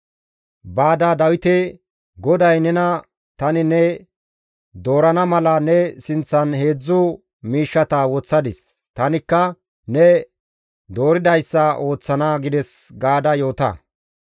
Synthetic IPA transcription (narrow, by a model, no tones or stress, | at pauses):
baːd̪ɐd̪ɐwɪt̪ɛ | ɡɔd̪ɐjnɛnɐ | t̪ɐnɪnɛ | d̪o̞ːɾɐnɐmɐlɐnɛsɪnt͡sːɐnhe̞ːd͡zːʊ | miːʃːɐt̪ɐwɔt͡sːɐd̪ɪs | t̪ɐnɪkːɐ | nɛ | d̪o̞ːɾɪd̪ɐjsːɐʔo̞ːt͡sːɐnaːɡɪd̪ɛsɡaːd̪ɐjo̞ːt̪ɐ̰